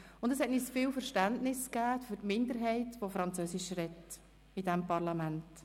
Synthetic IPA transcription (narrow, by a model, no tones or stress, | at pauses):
ʊndəshɛtniːsfiːlfəɾʃtæntnɪskæːfyɾtmɪndəɾɦɛɪtʋofɾɑnt͡søːsɪʃɾɛt | ɪd̥ɛmpɑɾlɑmænt